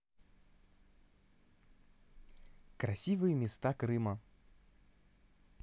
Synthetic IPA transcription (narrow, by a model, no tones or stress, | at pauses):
kɾɐsʲivɨjəmʲɪst̪akɾɨmə